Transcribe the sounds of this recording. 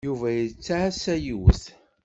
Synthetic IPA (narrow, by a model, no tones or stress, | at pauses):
juvæjət͡sːaʕsæjiwə̰θ